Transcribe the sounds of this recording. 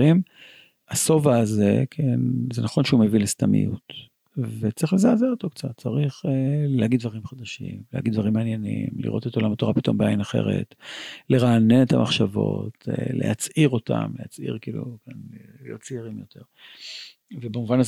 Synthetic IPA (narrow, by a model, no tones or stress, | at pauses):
im | aso̞vaːzekʰenzenaχo̞nʃeumevilest̪amḭjṵt̪ | vet͡sʁiχlezaːzeʁot̪okt͡sat̚t͡saʁiχlehaɡid̪vaʁimχad̪aʃḭmleha̰ɡid̪vaʁimaːnje̞nḭmlḭʁo̞t̪et̪o̞lamato̞ʁapit̪o̞mbeainaχe̞̰ʁe̞̰t̪leʁaːnenet̪ʰamaχʃavo̞̰telḛhat͡sʔiʁo̞ta̰mlehat͡sḭʁkiːlṵkanlijott͡siiʁimjo̞t̪ʰe̞ʁ | vebemuvanaz